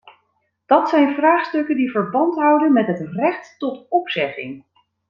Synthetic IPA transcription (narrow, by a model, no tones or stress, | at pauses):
d̥ɑtsɛjnvraːχstɵkəndivəɹbɑntɦʌwdənmɛtɦətrɛχtːɔtɔpsɛχɪ̰ŋ